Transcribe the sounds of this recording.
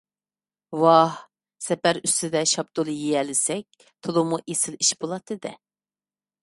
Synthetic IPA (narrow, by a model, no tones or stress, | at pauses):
wɑh | sɛpæɾyst̪ɪd̪ɛʃɑp̚d̪olˠɨjijɛlɪsɛk̚ʲ | t̪ʰolˠumuʔesɪliʃbolˠɑt̪ʰːɨd̪ɛ